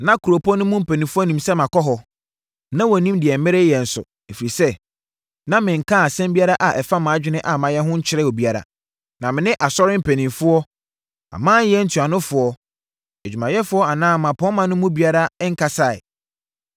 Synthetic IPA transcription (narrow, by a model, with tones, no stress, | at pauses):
nã˦kʰu˨ɾo˨pʰɔ˦nʊ̃˦mʊ̃˦m̩˨pʰæ˨nĩ˨mfʊ˦ɔ˦nĩ˨msɛ˦mã˨kɔ˦ɦɔ˨ | nã˦wɔ˨nĩ˦mdɪ˨ɛ˨m̩˦mɪ̃˦ɾɪ˦jɛ˨n̩˨sʊ̰˨ | e˨fi˨ɾi˨sɛ˦ | nã˦mɪ̃˨ŋ̩˨kʰã˦a˨sɛ̃˦m˦bi˦a˦ɾa˦ʔa˨ʔɛ˨fa˦mãː˨˦d͡ʑᶣɪ˦nɪ̃˦ʔa˨mã˨jɛ˦ɦʊ̃˦ɲ̩˦t͡ɕʰɪ˦ɾɛ˦o˨bi˦a˦ɾa̰˨ | nã˨mɪ̃˨nɪ̃˦ʔa˨sɔ˦ɾɪ˦m̩˦˨pʰæ˨nĩ˨mfʊ˦ɔ˦ | a̰˨mãː˦jɛ˦n̩˦tʰu˨a˨nʊ̃˦fʊ˨ɔ˦ | ɛ˨d͡ʑᶣu˨mã˨jɛ˦fʊ˦ɔ˦a˨nãː˦˨mã˨pʰɔ̃˦mã˨nʊ̃˦mʊ̃˦bi˦a˦ɾa˦ŋ̩˦kʰa˨sa˨ɪ̰˨